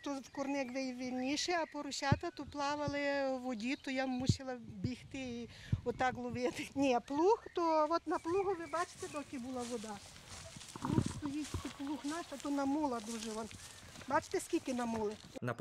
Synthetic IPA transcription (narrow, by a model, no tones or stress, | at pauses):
t̪okʊɾnɛɡʋɛjʋʲɪlʲnʲiʃɛapɔɾʊɕʲat̪ɐt̪oplˠaʋɐlˠɪʋodʲit̪ɔjamusʲilˠɐbʲixt̪ɪi | ɔt̪ːaklˠʊʋʲɛt̪ɪnʲɛplˠuxt̪oʋɔt̪nɐplˠuɣʊʋɪbat͡ʃɪ̥t̪ɛd̪ɔkʲɪbulˠɐʋod̪a | pluxst̪ojitʲk̪ʲɪplˠuxnaʃɐt̪unɐmulˠɐd̪uʒɪʋɔn | bat͡ʃɪ̥t̪ɪskʲikʲɪnɐmulˠɪ | nɐ